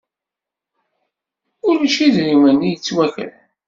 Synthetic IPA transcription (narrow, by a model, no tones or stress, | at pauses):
ʊɾiʃiðɾimænːijət͡sːwæçə̰l